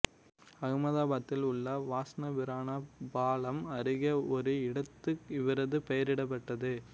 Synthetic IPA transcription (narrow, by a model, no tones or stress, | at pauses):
ɐɣmɐðaːbɐt̪ːɪlʊɭːɐʋaːsɐnɐʋɪɾaːnabaːlɐmɐɾɪɣɐɔɾɯɪɽɐt̪ːɯkɪʋɐɾɐðɯpɐjɐɾɪɽɐp̬ːɐʈːɐðɯ